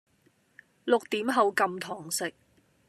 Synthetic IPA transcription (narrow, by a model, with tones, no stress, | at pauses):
lʊ˨k̚t̪iː˨˥mɦɐ˨˧wkɐ˧mt̪ʰɔː˨˩ŋsɪ˨k̚